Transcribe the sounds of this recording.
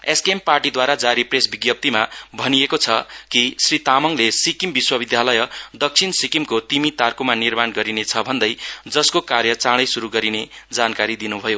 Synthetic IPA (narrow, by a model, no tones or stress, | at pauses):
eskemparʈid̪waɾad͡zaɾipresbiɡjʌp̚t̪imabʱʌnijekot͡sʰʌkisrit̪amʌŋlesikimbiswʌbid̪ʱjalʌjʌd̪ʌk̚t͡sʰinsikimkot̪imit̪arkumanirmanɡʌɾinet͡sʰʌbʱʌnd̪ʌjd͡zʌskokarjʌt͡saɽ̃ʌjsuɾuɡʌɾined͡zankaɾid̪inubʱʌjo